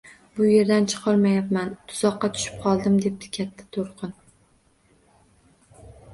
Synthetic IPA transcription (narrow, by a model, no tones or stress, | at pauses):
bʊje̞ɾd̪ant͡ʃʰɨ̥qʰɑɾmajapmant̪ʰʊ̥z̥ɒqːɑt̪ʰʊ̥ʃɪ̥p̚qʰɒlˠd̪ɪmd̪e̞p̚t̪ʰɪ̥kʲʰat̪ʰːḁt̪ʰoɾqʰɨn